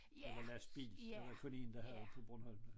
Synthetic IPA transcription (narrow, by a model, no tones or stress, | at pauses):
ɒlæsb̥ḭːl̥eʋɑjkʰɔne̝n̩d̥ɑ̈hæðɒ̥pʰɒ̽b̥ʁɔnhɒ̽l̰mə